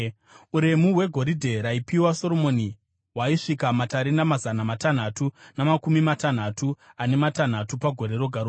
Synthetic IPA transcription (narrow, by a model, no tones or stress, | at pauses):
uɾe̞muɦwe̞ɡʱo̞ɾidʱe̞ɾaipiwaso̞ro̞mo̞ni | waiʂikamataɾinamazanamatan̤atunamakumimatan̤atʰuane̞matan̤atupaɡʱo̞ɾe̞ɾo̞ɡʱaɾo